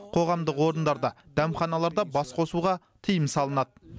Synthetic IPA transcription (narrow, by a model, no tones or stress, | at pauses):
qʰo̞ʁɑmd̪əqwo̞ɾənd̪ɑɾd̪ɑd̪̥æmχɑnɑlˠɑɾd̪ɑbɑsqʰo̞suʁɑ | t̪ʰəjəmsɑlˠənɑd̪ə